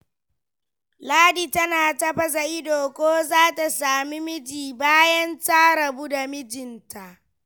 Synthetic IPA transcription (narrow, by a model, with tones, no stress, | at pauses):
laː˦diː˨tɐ˦naː˨tɐ˦ɸɐ˦za˨ʔɪ˦doː˨kʷoː˦zaː˦ta˨saː˨mi˦mɪ˦d͡ʒiː˨baː˦jɐ˦nta˦ɽɐ˨bu˦da˨mɪ˦d͡ʒɪ˨nta˨ʔ